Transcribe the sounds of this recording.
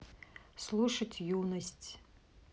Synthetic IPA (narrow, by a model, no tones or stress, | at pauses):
slˠuʂɐtʲʰjunɐsʲtʲ